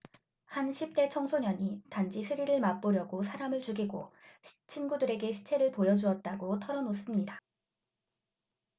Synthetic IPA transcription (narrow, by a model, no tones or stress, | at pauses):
hanɕʰip̚t͈e̞t͡ɕʰʌŋsʰoɲʌɲitand͡ʑisʰɯɾiɾɯɭmap͈oɾjʌɡosʰaɾamɯɭt͡ɕuɡiɡo̰t͡ɕʰinɡudɯɾe̞ɡe̞ɕʰi̥t͡ɕʰe̞ɾɯɭpojʌd͡ʑuʌt̚t͈aɡotʰʌɾʌnos͈ɯmɲida